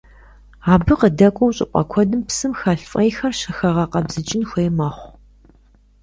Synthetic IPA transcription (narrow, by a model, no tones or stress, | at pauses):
aːbɨqədɐkʷʼowɕʼɪ̰qʷʼɐ̰kʷʰɔdɨmpsɨmxɐɬfʼɐjxɐrʃɐxɐʁɐqɐbzɨt͡ʃʼɪnxʷejmɐχʷ